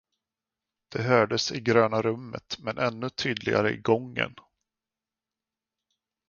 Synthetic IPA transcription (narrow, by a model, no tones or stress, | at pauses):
d̪̥ɛɦœːɖəsɪɡɾøːnaɾɵmːə̰t̪mɛnʔɛnːɵt̪ʰyːd̪lɪɡa̰ɾəɪɡɔŋːə̰n